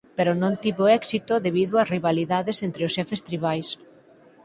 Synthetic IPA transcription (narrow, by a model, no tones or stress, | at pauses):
peɾonõnt̪iβoɛksit̪oðeβ̞iðoɐsriβaliðaðesent̪ɾeʊsʃɛfest̪ɾiβajs